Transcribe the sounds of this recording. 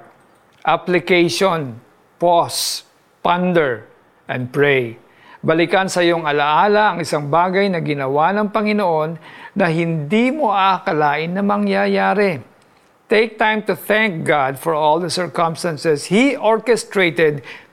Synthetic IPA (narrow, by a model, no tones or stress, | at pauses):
ʔaplɪkejʃon | pos | pand̪ɛɹ | ʔɐ̰̃nd̪̚pɹɛj | bɐlɪkɐnsɐjoŋɐlɐʔaːlɐʔɐŋɪsaŋbaːɡɐjnɐɡɪnɐwanɐŋpɐŋɪnoʔo̞nːɐɦɪnd̪imoʔakɐlaːʔɪnːɐmɐŋjajaːɾɛ | t̪ejk̚t̪ãjmt̪ʊθɛ̃ŋk̚ɡad̪fɔɹolˠd̪ɐsɛɹkɐmst̪ɐnsɛshiʔoɹkɛst̪ɹejt̪ɛd̪̚